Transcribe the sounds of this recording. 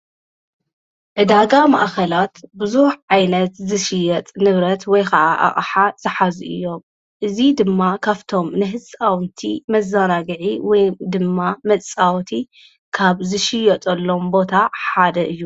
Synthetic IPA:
ʔɨd̪aɡama̰ʔkɐlat̪bɨzuħʕajnɐt̪zɨʃɪjɐt̪ʼnɨβɾɐt̪wɔjkʰɐʔaʔa̰χʼħaz̥ɨħazuʔɨ̰jːo̞m | ʔɨzid̪ɨmːakʰaft̪ʰo̞mnɨɦɨsʼawnt̪ʰimɐzːɐɾaɡɨʕiwɔjd̪ɨmːamɐt͡sʼawt̪ʰi | kʰaβzɨʃɪjɐt̪ʼɐlːo̞mbo̞t̪ʰaħad̪ɐʔɨjːu

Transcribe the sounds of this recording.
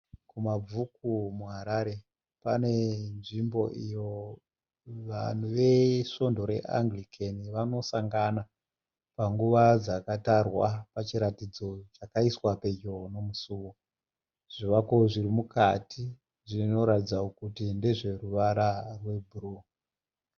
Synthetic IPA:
kumab͡vuk̚umuɦaɾaɾe̞ | pane̞nʐimbo̞̰ʔijo̞ | ʋan̤uʋe̞ʃo̞ndo̞ɾe̞̰ʔa̰ŋɡlikʰeniʋano̞saŋɡana | paŋɡuʋad͡zakatarwapat͡ʃiɾatid͡zo̞t͡ʃakaiswape̞ɟo̞no̞musuːwo | ʐ̥iʋakoʐirimukati | ʐino̞ɾatid͡zaokutinde̞ʐe̞ruʋaɾarwe̞bʱuru

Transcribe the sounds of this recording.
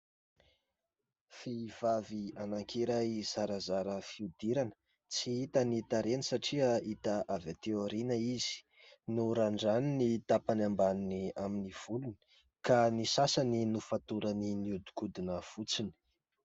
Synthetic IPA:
fiv̥avianaŋkʰiɾajz̥aɾazaɾəfiud̪iɾanə | t͡siit̪anit̪aɾenisaʈ͡ʂiait̪aʔavat̪eoɾinəizi̥ | nuɾaɳɖ͡ʐaninit̪apanambaniniaminiv̥uluni̥ | kanisasaninufat̪uɾəniniud̪u̥kud̪inəv̥ut͡sini̥

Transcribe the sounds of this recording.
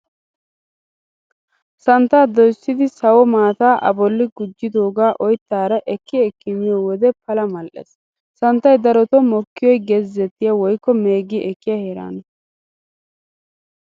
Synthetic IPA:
sɐnt̪ːaːd̪ɔjsːɪd̪ɪsɐwɔmaːt̪aːʔɐ̰bɔlːɪɡʊd͡ʒːɪd̪o̞ːɡaːʔɔjt̪ːaːɾɐʔɛkːɪɛkːɪmɪjɔwɔd̪ɛpɐlɐmɐlʔḛs | sɐnt̪ːɐjd̪ɐɾɔt̪ɔmɔkːɪjɔjɡezɛt̪ːɪjɐwɔjkːɔme̞ːɡɪʔɛkːɪjɐheːɾa̰ːnɐ

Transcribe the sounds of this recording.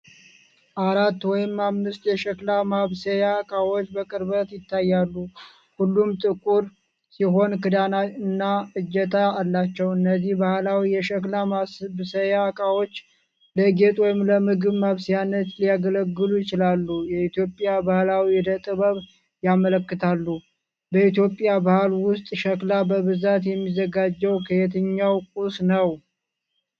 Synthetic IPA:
ʔaɾat̪ːwɔjɪmːamːɨst̪jɛʃəklamaβsəjakʼawo̞t͡ʃːbəkʼɨɾbət̪jɪt̪ʰːajːalːu | hulːumt̪ʼɨkʼuɾ | siɦo̞nkɨd̪anaɨnːaɨd͡ʒːɛt̪ʰaalːat͡ʃːɛwɨnːəzihbahlawijɛʃəklamabsəjakʼawo̞t͡ʃː | ləɡe̞t̪ʼwɔjɪmləmɨɡɨβmaβsijanːət̪lijaɡələɡːɨlujɪt͡ʃɪlalːujɛit̪jo̞pʼːjabahlawid̪ət̪ʼɨβəβ | jamələkːɨt̪ʰalːu | bəit̪jo̞pʼjabahlwʊst̪ʼʃəklabəβɨzat̪jɛmːizːəɡad͡ʒːɛwkʰəet̪̬ʰɨɲːawkʼusnəw

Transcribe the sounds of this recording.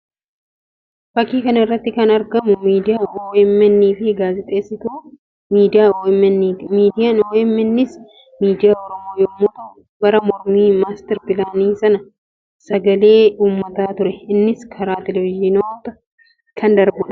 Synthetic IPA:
fɐkːiːkɐnɐɪrːɐt̪ːɪkɐnɐɾɡɐmʊmiːd̪ɪjaːoːɛmːɛnːiːfɪɡaːzɪt̪ʼe̞ːsːɪt̪uː | miːd̪ɪjaːoːɛmɛnːmiːd̪ɪjanoːɛmːɛnːɪs | miːd̪ɪjaːɔɾɔmo̞ːjɔmːot̪ɐʊ | ɡɐɾɐmɔɾmiːmaːst̪ɛɾpɪlaːniːsɐnɐ | sɐɡɐle̞ːuːmːɐt̪aːt̪ʊɾɛɪnːɪskʰɐɾaːt̪ɛlɛvɪʒɪnoːt̪ɐ | kʰɐnd̪ɐɾbʊᶑɐ̥

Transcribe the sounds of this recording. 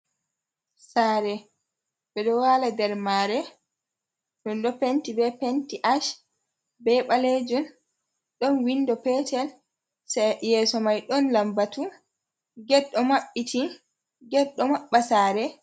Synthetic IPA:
saːɾɛ | bɛɗɔwaːladɛɾmaɾɛ | ɗɔnɗɔpentibɛpentiʔaʃ | bɛɓaled͡ʒun | ɗɔnwindɔpɛtɛl | sajɛːsɔmajɗɔnlambatu | ɡɛɗːɔmaɓːitʰi | ɡɛɗːɔmaɓːasaːɾɛ

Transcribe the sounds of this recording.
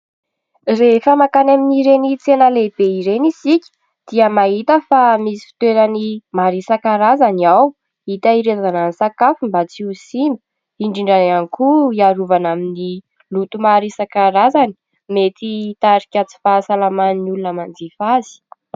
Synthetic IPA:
refəmakanaminiɾenit͡senəleb̥eiɾenisikʲi̥ | d̪̥iəmaɦit̪əfamisi̥fi̥t̪weɾənimaɾisakaɾazaniaw | it̪aiɾezananisakafumbat͡siusimbə̥ | iɳɖ͡ʐiɳɖ͡ʐananikuiaɾuvanamini | lut̪umaɾisakaɾazani̥ | met̪it̪aɾikʲat͡si̥fasalamaniniulunəmand͡zifazi̥

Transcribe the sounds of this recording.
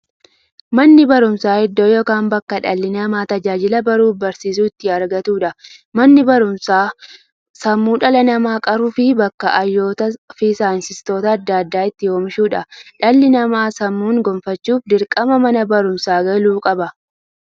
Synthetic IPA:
mɐnːɪbɐɾʊmsaːɪd̪ːoːjoːkaːmbɐkːɐᶑɐlːɪnɐmaːt̪ɐd͡ʒaːd͡ʒɪlɐbɐɾuːfbɐɾsiːs̬uːɪt̪ːɪɐɾɡɐt̪uːᶑɐmɐnːɪbɐɾʊmsaː | sɐmːuːᶑɐlɐnɐmaːkʼɐɾuːfɪbɐkːɐʔɐjːoːt̪ɐfɪsaːnsɪst̪o̞ːt̪ɐːd̪ːad̪ːaːɪt̪ːɪjoːmɪʃuːᶑɐᶑɐlːɪnɐmaːsɐmːuːŋɡɔmfɐt͡ʃːuːfd̪ɪɾkʼɐmɐmɐnɐbɐɾʊmsaːɡɐluːkʼɐbɐ

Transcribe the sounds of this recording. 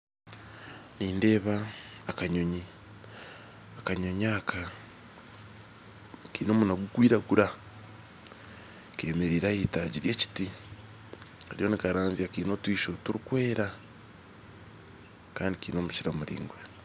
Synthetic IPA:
niːnde̞ːβaːkaɲoɲi | akaɲoɲaːkʰa | kiːno̞ːmunaɡuɡwiːɾaɡuɾa | ke̞ːmeɾiːɾaitaɟiɾje̞ːci̥ti | aɾijo̞nikaɾaːnziakiːnotwiːʃo̞tuɾikwe̞ːɾa | kaːndikiːno̞ːmut͡ʃiɾamuɾḭːŋɡwe

